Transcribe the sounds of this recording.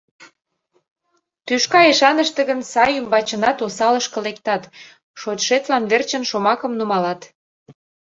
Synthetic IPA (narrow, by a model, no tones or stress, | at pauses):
t̪yʃkɑeʃɑnəʃt̪ə̆ɣənsɑjymbɑt͡ɕənɑt̪osɑləʃkə̆lekt̪ɑt̪ | ʃot̪ʃet̪lɑnβert͡ɕənʃomɑkə̆mnumɑlɑt̪